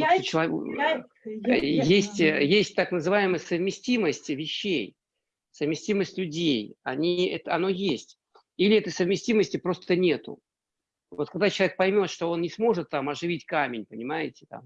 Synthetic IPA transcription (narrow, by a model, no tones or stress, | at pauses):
t͡ɕɪlˠɐ̰ | jesʲtʲjesʲt̚ʲt̪aknəzɨvajɪməjəsəvmʲɪsʲtʲiməsʲtʲvʲɪɕːej | səvmʲɪsʲtʲiməsʲtʲlʲʉdʲejɐnʲiɛt̪əɐno̞jesʲtʲ | ilʲɪɛt̪əjsəvmʲɪsʲtʲiməsʲtʲɪpɾo̞st̪ənʲe̞t̪ʊ̰ | vo̞t̪̚kɐɡ̚d̪at͡ɕɪlˠɐvʲek̚pɐjmʲo̞t̪ʂt̪o̞o̞nnʲɪsmo̞ʐɨt̪ːamɐʐɨvʲitʲkamʲɪnʲpənʲɪmajɪtʲɪ̥t̪a̰m